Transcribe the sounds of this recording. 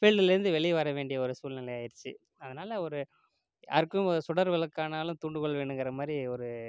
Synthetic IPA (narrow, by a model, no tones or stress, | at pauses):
fɛɭɖɪlɪɾɯnd̪ɯʋɛɭɪʋɐɾɐʋeːɳɖɪjɐɔɾɯsuːlnɪlɐjaːjɪɾt͡ʃːɯ | ɐðɐnaːlɐɔɾɯ | ɐɾɯkːɯmɔɾɯsʊɽɐɾʋɐɭɐkːaːnaːlɯ̃mt̪uːɳɖɯkɔɭːɐʋeːɳɖɯŋɡɐɾɐmaːd̪ɾiɔɾɯ